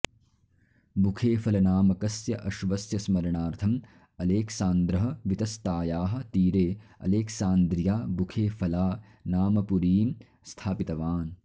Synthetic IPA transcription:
bukʰeːfɐlɐnaːmɐkɐsjɐʔɐʃʋɐsjɐsmɐɾɐɳaːɾt̪ʰɐm | ɐleːksaːnd̪ɾɐɦɐʋit̪ɐst̪aːjaːɦɐ̆t̪iːɾeːɐ̰leːksaːnd̪ɾjaːbukʰeːfɐlaː | naːmɐpuɾiːm | st̪ʰaːpit̪ɐʋaːn

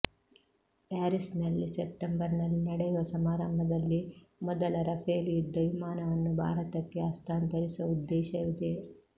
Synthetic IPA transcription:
aːɾisnɐlːisep̚ʈembɐɾnɐlːinɐɽɛjuʋɐsɐmaːɾɐmbʱɐd̪ɐlːimɔd̪ɐlɐɾɐpʰeːlid̪ɐʋimaːnɐʋɐnːubʱa̰ːɾɐt̪ɐkːe̞ast̪ʰaːnt̪ɐɾisuɐud̪ːeːʃɐʋid̪e

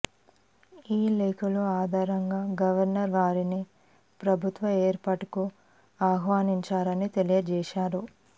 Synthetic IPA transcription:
iːleːkʰɐluaːd̪ʱaːɾɐŋɡaːɡɐʋɐɾnɐɾʋaːɾini | pɾɐbʱut̪ʋɐeːɾpaːʈuku | aːɦʋaːniɲt͡ʃaːɾɐnit̪elijɐd͡ʒɛːʃaːɾu

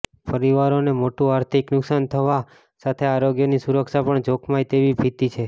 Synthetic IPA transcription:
pəɾiʋaɾonemoʈũaɾt̪ʰiknʊksant̪ʰəʋa | sat̪ʰeaɾoɡjənisuɾəkʃapəɳd͡ʒokʰmajt̪eʋibʱit̪it͡ʃʰe

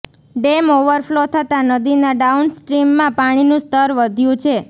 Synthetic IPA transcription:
ɖemoʋəɾflot̪ʰət̪anəd̪inaɖaunsʈɾimːãpaɽ̃inũst̪ʰəɾʋəd̪ʱjũt͡ʃʰe

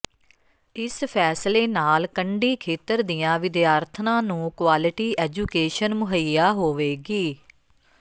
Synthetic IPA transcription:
ɪspʰɛːsleːnaːlkəɳɖiːkʰeːt̪əɾd̪ɪjãːʋɪd̪jaːɾt̪ʰnãːnũːkwaːlɪʈiːʔɛːd͡ʒuːkeːʃənmʊɦəjaːɦoːʋeːɡiː

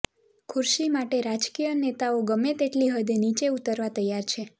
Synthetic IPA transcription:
kʰʊɾʃimaʈeɾad͡ʒkijənet̪aoɡəmet̪eʈliɦəd̪enit͡ʃeut̪əɾʋat̪əjaɾt͡ʃʰe

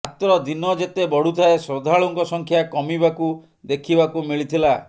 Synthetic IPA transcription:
at̪ɾɔd̪inɔd͡ʒet̪ebɔɽ̤ut̪ʰaesɾɔd̪ʱaɭɔŋkɔsɔŋkʰjakɔmibaku | d̪ekʰibakumiɭit̪ʰila

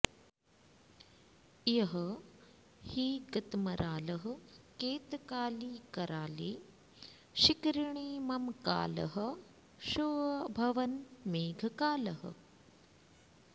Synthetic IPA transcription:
jɐɦɐ | hiːɡɐt̪mɐɾʔaːlɐɦɐ̆keːt̪kaːliːkɐɾaːleː | ʃikɾiɳiːmɐmka̰ːlɐ̰ɦɐ̆ | ʃuʋɐbʱɐʋɐnmeːɡʱɐkaːlɐɦɐ̰

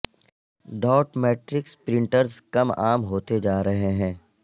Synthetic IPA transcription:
ɖaːʈmɛːʈɾɪkspɾɪ̃ɳʈəɾzkɐma̰ːmɦoːt̪ed͡ʒaːɾɐɦeɦɛ̃ː

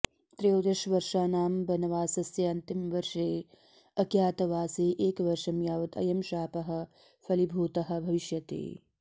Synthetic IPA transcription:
t̪ɾejoːd̪ɐʃʋɐɾʃaːnaːmbɐnɐʋaːsɐsjɐɐnt̪imʋɐɾʂeː | ɐkjaːt̪ɐʋaːseːʔeːkʋɐɾʃɐmjaːʋɐd̪ɐ̰jɐmʃaːpɐɦɐ̆ | fʰɐlibʱuːt̪ɐɦɐ̆bʱɐʋiʃjɐt̪ḛː

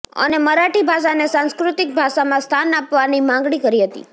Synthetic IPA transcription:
ə̰neməɾaʈibʱaʃ̬anesãnskɾut̪ɪk̚bʱaʃamãst̪ʰanapʋanimãŋɡɽikəɾiɦət̪ḭ

